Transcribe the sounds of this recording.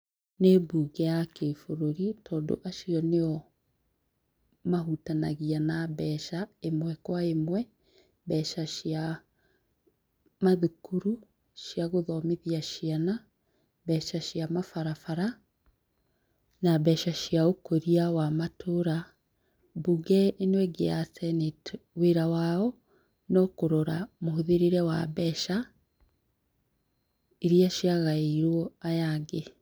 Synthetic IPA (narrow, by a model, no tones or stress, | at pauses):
nebuːɣɛakefoɾoɾitʰɔːdo̰ʔaʃiɔneɔ | maɦutanaɣianabɛʃaemwɛkwaemwɛ | bɛʃaʃia | maðukuɾu | ʃiaɣoðɔmeðiaʃiana | bɛːʃaʃiamafaɾafaɾa | nabɛʃaʃiaokoɾiawamatʰoɾa | buɡɛʔenwɛɡḛasɛnetweɾawaɔ | nɔkoɾoɾamohoðeɾeɾɛwa̰bɛʃa | eɾiaʃjaɣaiɾwɔajaɡe